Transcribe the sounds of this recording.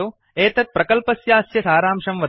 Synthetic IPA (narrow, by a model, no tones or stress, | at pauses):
oː | eːt̪ɐt̪̚pɾɐkɐlpɐsjaːsjɐsaːɾaːmʂɐmʋɐd̪